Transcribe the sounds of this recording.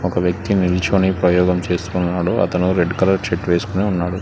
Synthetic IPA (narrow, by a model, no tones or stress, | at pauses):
ɔkɐʋjɐk̚t̪iniɾit͡ʃoːnipɾɐjɔːɡɐmt͡ʃe̞ːst̪unːaːɽoːʔɐ̰t̪ɐnuɾeɖkɐlɐɾʃeʈʋeːsu̥kuneːunːaːɽu